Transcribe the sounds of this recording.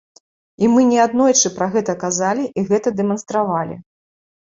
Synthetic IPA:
imɨnʲɛad̪nɔjt͡ʂɨpɾaɣɛt̪ɐkazalʲiʔiɣɛt̪ɐd̪ɛmɐn̪st̪ɾavalʲḭ

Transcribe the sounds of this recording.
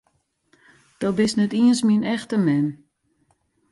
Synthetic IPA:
d̥ɔbɪsnɛtiənsminɛxtəmɛn

